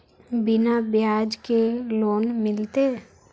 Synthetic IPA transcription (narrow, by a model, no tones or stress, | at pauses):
bɪnabjaːd͡ʒkeloːnmɪlt̪e